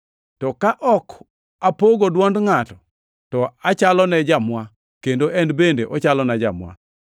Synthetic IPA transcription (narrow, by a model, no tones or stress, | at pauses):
tɔkaʔɔk | apoɡodwɔndŋatɔ | tɔat͡ʃalɔnɛd͡ʒamwa | kendoʔɛnbendeʔɔt͡ʃalɔnɛd͡ʒa̰mwa̰